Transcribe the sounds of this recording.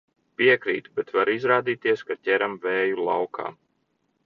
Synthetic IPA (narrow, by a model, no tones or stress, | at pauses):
piɛkɾḭːt̪bɛt̪vaɾizɾaːd̪iːt̪iɛskat̪ʲɛɾamvɛːjulˠa̰wkʰa̰ː